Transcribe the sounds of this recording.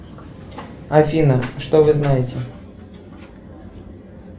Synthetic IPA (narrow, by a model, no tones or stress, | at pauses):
ɐfʲinɐʂt̪ovɨznajɪtʲɛ